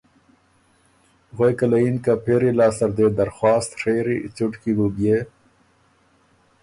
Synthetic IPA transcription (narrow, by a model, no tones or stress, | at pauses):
ɣojkalainkapʰeɾilɑːst̪ɐɾd̪ed̪ɐɾxwaːst̪ʂeɾit͡suʈkibubje